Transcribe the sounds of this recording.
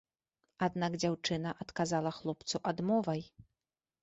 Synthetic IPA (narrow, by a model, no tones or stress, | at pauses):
ad̪naɡd͡zʲawt͡ʂɨnɐʔat̪kazalˠɐxlˠɔpt̪suʔad̪mɔvɐj